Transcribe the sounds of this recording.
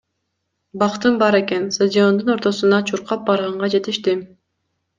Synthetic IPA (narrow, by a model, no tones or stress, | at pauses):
bɑqt̪ɯnbɑɾe̞ke̞nst̪azʲio̞nd̪uno̞ɾt̪o̞sunɑt͡ʃʰuɾqɑp̚bɑɾʁɑɴʁɑd͡ʒe̞t̪iʃt̪i